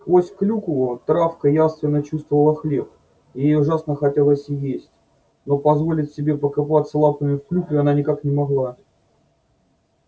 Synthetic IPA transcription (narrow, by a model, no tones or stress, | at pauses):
skvosʲklʲuklˠət̪ɾafkəjast̪vʲɪnːət͡ɕust̪vəvəlˠəxlʲep̚ | jjejʊʐasnəxɐtʲelˠəsʲɪjesʲtʲ | no̞pɐzvo̞lʲɪtʲsʲɪbʲepəkapat̪səlˠapəmʲɪfklʲukʲɪɐnanʲɪkaknʲɪmɐɣlˠa